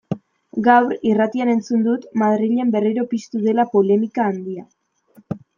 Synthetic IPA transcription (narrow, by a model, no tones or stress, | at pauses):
ɡawɾirat̪iane̞nt͡sund̪ut̪maðɾiʎe̞mbe̞riɾo̞pist̪uðe̞lapo̞le̞mikaːnd̪ia